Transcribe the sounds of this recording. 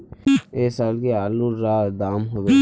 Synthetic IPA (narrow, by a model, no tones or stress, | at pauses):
eːsaːlkeaːluɾaːd̪aːmɦode